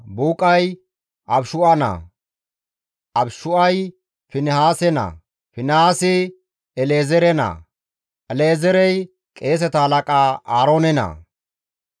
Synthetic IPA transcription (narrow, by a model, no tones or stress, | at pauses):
buːkʼɐj | ʔɐbʃʊʔɐnɐ̰ | ɐbʃʊɐj | fɪnɪhaːsɛnɐ̰ | fɪnhaːsɪ | ɛleːzɛɾɛnɐ̰ | ɛleːzɛɾɛj | kʼe̞ːs̬ɛt̪ɐhɐlɐkʼaʔaːɾoːnɛnɐ̰